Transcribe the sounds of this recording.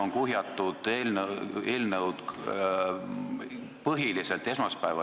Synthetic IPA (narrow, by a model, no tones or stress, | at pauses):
oŋkuɦjɑt̪ːˑud̪̥eːlneːlnəwd̪ | pɤɦiliselt̪ːˑe̞smɑspæevɑ̰